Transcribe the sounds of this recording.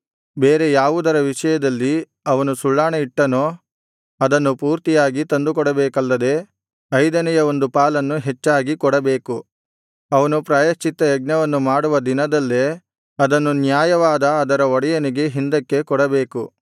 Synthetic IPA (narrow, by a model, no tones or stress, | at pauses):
beːɾe̞jaːʋud̪ɐɾɐʋiʂɐjɐd̪ɐlːi | ɐʋɐnusuɭːaːɳɐiʈːɐnoː | ɐd̪ɐnːupuːɾt̪ijaːɡit̪ɐnd̪ukɔɽɐbeːkɐlːɐd̪e̞ː | ɐjd̪ɐnɛjɐo̞nd̪upaːlɐnːuɦet͡ʃːaːɡikɔɽɐbe̞ːku | ɐʋɐnupɾaːjɐʃt͡ʃit̪ːɐjɐɡ̚ɲɐʋɐnːumaːɽuʋɐd̪inɐd̪ɐlːe | ɐd̪ɐnːunjaːjɐʋaːd̪ɐːd̪ɐɾɐɔɽɛjɐniɡe̞ɦind̪ɐkːe̞kɔɽɐbe̞ːku